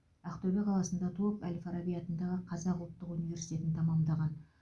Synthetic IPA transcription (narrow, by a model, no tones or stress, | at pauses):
aqt̪obeqʰɑlˠɑsənd̪ɑt̪ʰukælʲfɑɾabijat̪ənd̪ɑʁəqʰɑzɑqʊlˠət̪ːəqunijvʲe̞ɾsijt̪ʲe̞t̪ɪnt̪ʰɑmɑmd̪ɑʁɑn